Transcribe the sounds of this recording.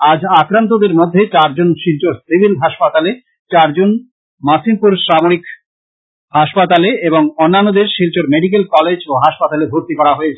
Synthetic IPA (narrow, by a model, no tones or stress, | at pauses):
ad͡ʑakɾant̪̬od̪eɾmod̪ʱːet͡ɕaɾd͡ʑonʃilt͡ɕoɾsibʱilɦaʃpat̪ale | t͡ɕaɾd͡ʑon | masimpuɾʃamoɾik | haʃpat̪aleeboŋonːanːod̪eɾʃilt͡ɕoɾmeɖik̬elkɔled͡ʑoɦaʃpat̪alebʱoɾt̪ikɔɾaɦoet͡ɕʰ